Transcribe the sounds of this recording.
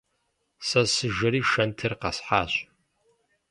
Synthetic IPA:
sɐsɨʒɐɾiːʃɐntʰɨrqɐsħaːɕʼ

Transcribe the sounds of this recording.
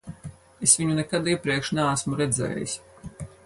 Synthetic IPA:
esvʲiɲunɛkad̪iɛpɾiɛkʃnɛasmuɾɛd̪zɛ̰ːjḭsʲ

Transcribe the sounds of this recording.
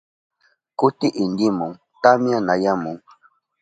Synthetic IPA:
kutiʔindimɔŋ | tamjanajamuŋ

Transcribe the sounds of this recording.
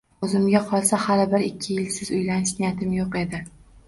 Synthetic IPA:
ɵzɪmɡʲaqʰɒlˠsahalɪbɪɾɪkʲʰːɪjɪlsɪzʊjlanɪʃnɪjat̪ʰɪmjoqe̞d̪ɪ

